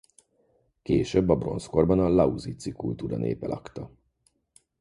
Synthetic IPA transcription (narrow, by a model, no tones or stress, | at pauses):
keːʃøbːɒbro̞̰nsko̞rbɒnɒlɒuzit̪sikult̪uːɾɒ̰nḛːpɛlʔɒkt̪ɒ